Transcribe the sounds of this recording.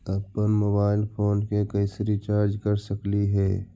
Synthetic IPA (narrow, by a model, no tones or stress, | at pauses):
əpːənmoːbaːɪlpʰoːnkekəɪsɾit͡ʃaːɾd͡ʒkəɾsəkliɦɛː